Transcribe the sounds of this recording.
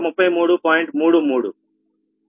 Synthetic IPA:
mupːɐjmuːɽupɔːjiɳʈmuːɽumuːɽṵ

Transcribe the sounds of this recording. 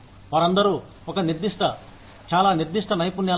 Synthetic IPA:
ʋaːɾɐnd̪ɐɾuː | ɔkɐniɾd̪iʂʈɐ | t͡ʃaːlaːniɾd̪iʂʈʰɐnɐjpunːjaː

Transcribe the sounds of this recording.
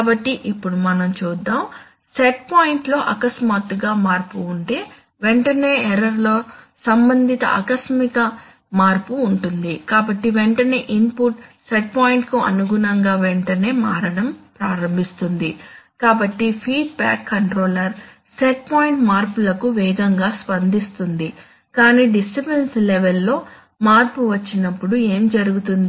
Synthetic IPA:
kaːbɐʈːiʔipːuɽumɐnɐmt͡ʃuːd̪ːaːm | sɛʈ̚paːjiɳʈlo̞ːʔɐkɐsmaːt̪ːuɡaːmaːɾpuːɳʈe̞ː | ʋeɳʈɐne̞ːɛɾɐɾlo̞ːsɐmbɐnd̪ʱit̪ɐ̰ʔɐ̰kɐsmikɐ | maːɾpuːɳʈund̪ikaːbɐʈːiʋɛɳʈɐne̞̰ːʔimpuʈseʈ̚paːjiɳʈkuɐ̰nuɡunɐŋɡaːʋɛɳʈɐne̞ːmaːɾɐɽɐmpɾaːɾɐmbʱist̪und̪ikaːbɐʈːipʰiːɖ̚ba̰ːkːɐɳʈɾoːlɐɾ | seʈ̚paːjiɳʈmaːɾpulɐkuʋɛːɡɐŋɡaːspɐnd̪ist̪und̪i | kaːniːɖisʈipenslɛʋɛlːo̞ː | maːɾpuʋɐt͡ʃːinɐpːuɽue̞ːmd͡ʒɐɾuɡut̪und̪i

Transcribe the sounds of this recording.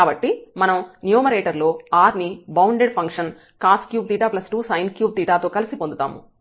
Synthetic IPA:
aːbɐʈːimɐnɐmnjuːmɐɾeːʈɐɾlo̞ːaːɾnibɐwɳɖeɖpʰɐŋkʂɐn | kaːskjuːb̚t̪iːʈaːplɐsʈuːsɐjnkjuːb̚t̪iːʈaːt̪o̞ːkɐlisipond̪ut̪a̰ːmṵ

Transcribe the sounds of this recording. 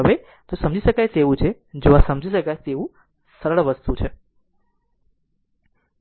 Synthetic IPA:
ɦəʋe | t̪osəmd͡ʒiʃəkajt̪eʋũt͡ʃʰe | d͡ʒoʋasəmd͡ʒʱiʃəkajt̪eʋũ | səɾəɭʋəst̪ut͡ʃʰe

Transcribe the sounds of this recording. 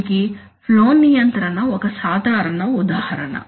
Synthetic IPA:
ki | ploːnːijɐnt̪ɾɐnɐɔkɐsaːd̪ʱaːɾɐɳɐud̪aːhɐɾɐ̰ɳɐ̰

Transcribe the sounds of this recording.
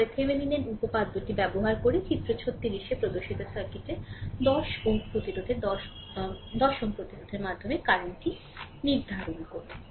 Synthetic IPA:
ɾek̪ʰemenineɾupopad̪ːoʈibɛboɦaɾkoɾet͡ɕit̪ːɾot͡ɕʰot̪ːiɾiʃepɾod̪oʃit̪osaɾkiʈed̪ɔʃopɾot̪iɾod̪ʱed̪ɔ | d̪ɔʃoŋpɾot̪iɾod̪ʱeɾmad̪ʱomekaɾonʈi | niɾd̪ʱaɾonkoɾe

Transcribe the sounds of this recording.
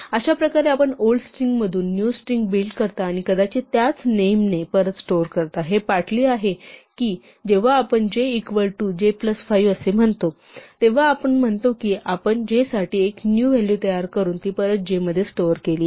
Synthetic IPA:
əɕapɾəkaɾeapəɳoɭɖsʈɾiŋɡməd̪ʱuːnːjusʈɾiŋɡbilʈkəɾt̪aːɽ̃ikəd̪at͡ɕit̪jat͡snemnepəɾət̪sʈoɾkəɾt̪aɦepaʈʰliːaɦekiː | d͡ʑeʋ̤aːpəɳd͡ʑeikʋəɭʈud͡ʑepləsfaiʋəsem̤əɳt̪o | t̪eʋ̤aːpəɳm̤əɳt̪okiːʔapəɳd͡ʑesaʈiːeknjuːʋɛljut̪əjaɾkəɾuːnt̪iːpəɾət͡sd͡ʑeməd̪ʱjesʈoɾkeliː

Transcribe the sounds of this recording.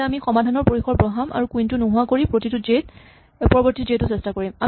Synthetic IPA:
amixɔmadʱanɔɹpoɹixɔɹpɹɔɦamʔa̰ɹukujntʊnuɦʊwakoɹipɹotitʊd͡ʒet̚ | pɔɹɔbɔɹtizetʊsɛstakoɹima

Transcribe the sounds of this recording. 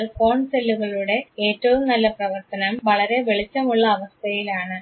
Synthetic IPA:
ɭko̞ːɳselːuɣɐɭuɽe̞eːtːɐʋumnɐlːɐprɐʋɐrt̪ɐnɐmʋɐɭɐɾe̞ʋe̞ɭit͡ɕːɐmuɭːɐːʋɐst̪ʰɐjilaːɳɨ

